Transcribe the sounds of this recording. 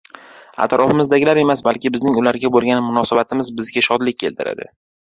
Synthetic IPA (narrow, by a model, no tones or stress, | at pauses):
a̰t̪ɾʔɒfɪmɪzd̪aɡʲɪlaɾe̞masbalkʲɪbɪznɪŋʊlaɾɡʲabolˠɡʲanɪmʊnɒsabat̪ʰɪmɪzbɪzɡʲaʃɒd̪lɪk̚ʲkʰːe̞lt̪ʰɪɾa̰d̪ɪ̰